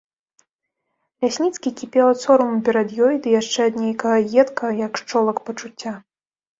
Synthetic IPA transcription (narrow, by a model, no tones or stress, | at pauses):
lʲasʲnʲit̪skʲikʲipʲɛwˠɐt̪sɔɾɐmupʲɛɾɐd̪jɔjd̪ɨjaʂt͡ʂɛɐd̪nʲejkɐɣɐɣʲɛt̪kɐɐjɐkʂt͡ʂɔlˠɐkpɐt͡ʂut͡sʲːa